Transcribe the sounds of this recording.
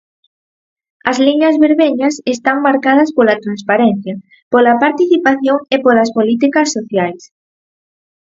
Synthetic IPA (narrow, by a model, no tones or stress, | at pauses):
ɐzliɲɐzβeɾβeɲɐsest̪aŋmaɾkað̞ɐspolɐt̪ɾanspaɾɛn̟θjɐ | polɐpaɾt̪iθipaθjoŋepolɐspolit̪̬ikɐsːoθjajs